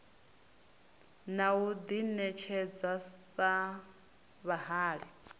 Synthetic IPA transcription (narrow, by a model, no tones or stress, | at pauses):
naud̪inɛt͡ʃʰɛd͡zasa | βaɦaːɺi